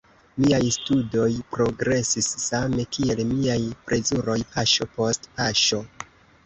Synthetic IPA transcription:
miajstudo̞jpɾo̞ɡɾe̞sisːame̞kʰie̞lmiajpɾe̞zuɾo̞jpʰaʃo̞po̞stpaʃo̞

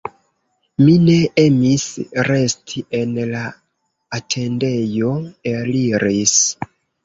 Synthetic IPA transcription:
mine̞e̞misɾe̞stʰiʔe̞nlaː | tʰe̞nde̞jo̞eliɾis

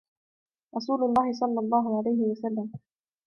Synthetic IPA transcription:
ɾˤɑsuːlʊlˤːɑːhɪsˤɑlːɑlˤːɑːɦʊʕalajɦɪwasalːam

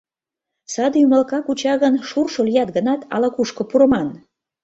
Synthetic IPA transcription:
sɑd̪juməlkɑkut͡ɕɑɣənʃurʃoljɑt̪ɡənɑt̪ɑ̰lɑkuʃkŏpuɾə̆mɑn

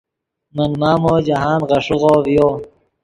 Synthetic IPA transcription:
mɐnmaːmoːd͡ʑɐɦaːnʁɐʂuɣoːvijoː

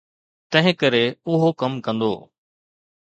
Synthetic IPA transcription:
t̪ɐ̃ɦɪ̃kɐɾeʊɦokɐmkɐ̃nd̪o̰ː

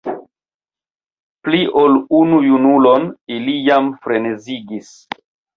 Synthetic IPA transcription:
pliʔo̞lunujunulo̞nilijamfɾe̞neziɡis

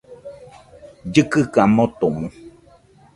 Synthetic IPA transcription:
d͡ʒɨkɨkamot̪omũ

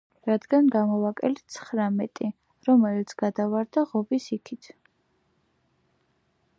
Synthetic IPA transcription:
ɾad̪ɡanɡamɔvakʼɛlt̪sʰχɾamɛt̪ʼi | ɾɔmɛlit̪sʰɡ̥ad̪avaɾd̪aʁɔbisikʰit̪ʰ

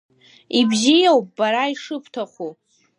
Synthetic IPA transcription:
ibzijawp̚ʼbaɾaiʂɨpʰtʰaχʷu

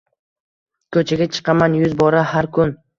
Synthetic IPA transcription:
kʰɵt͡ʃʰaɡʲat͡ʃʰɨ̥qʰɑmanjʊzbɒɾahaɾkʰʊn

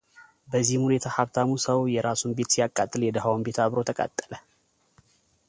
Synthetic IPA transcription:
bəzːihmhune̞t̪ʰahaβt̪ʰamusəwjɛɾasunbe̞t̪sijakʼːat̪ʼːɨljɛd̪əɦawmbe̞t̪aβɾo̞t̪ʰəkʼa̰t̪ʼːə̥lə

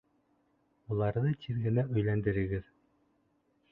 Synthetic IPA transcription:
ulˠɑɾðɤt̪ʰiðɡɘ̆næʔɵ̆jlænd̪ɘ̆ɾɘ̆ɡɘð

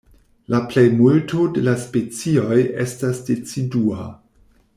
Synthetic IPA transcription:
laple̞jmultode̞laspe̞t͡sio̞je̞stasde̞t͡sidua

